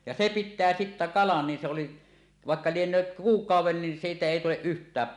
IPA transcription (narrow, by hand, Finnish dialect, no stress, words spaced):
jɑ se pitːæː sitːæ kɑlɑn nin sĕ oli ʋɑˑekːɑ lienˑøːt kuːkˑɑuwˑen nin siːtæ eˑi tuleʔ ʔyhtˑæːp